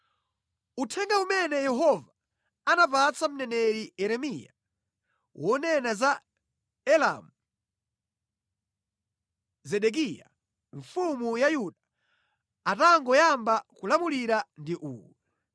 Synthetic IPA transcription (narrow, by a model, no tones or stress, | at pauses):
utʰɛŋɡaumɛnɛjɛɦɔva | anapat͡sam̩nɛnɛɾiɛɾɛmija̰ | wɔnɛnaza | ɛla̰mu | zɛɗɛk̬ija̰ | ɱfumujajuɗa | ataŋɡɔjambakulamuliɾandiʔṵːwɛ